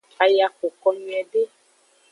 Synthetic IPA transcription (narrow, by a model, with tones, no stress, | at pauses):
a˨ja˨ko˨kɔ˧mĩ˨ɛ˨ɖe˦